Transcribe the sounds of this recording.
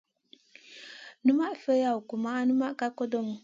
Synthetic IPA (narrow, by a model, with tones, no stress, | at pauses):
nu˦ma˦ʔfə˦ja˦˨wu˨ku˨ma˦nu˦ma˦ka˦ko˦do˦m˨